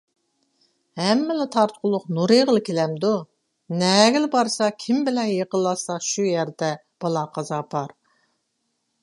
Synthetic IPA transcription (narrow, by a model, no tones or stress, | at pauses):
hɛmːɪlɪt̪ʰɑɾt̪qʰʊlˠʊqnuɾeʁəlˠɨkʲʰelɛmd̪u | nɛɡʲɪlbɑɾsɑkʲʰimbɪlɛnjeqəlˠːɑsɑʃujæɾd̪ɛ | b̥ɑlˠɑqʰɑzɑpʰɑɾ